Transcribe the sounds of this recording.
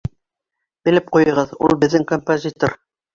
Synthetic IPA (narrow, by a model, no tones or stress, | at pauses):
bɘ̆lɘp̚qujɤ̆ʁɤðṵlˠbɘ̆ðːɘŋkompozʲit̪or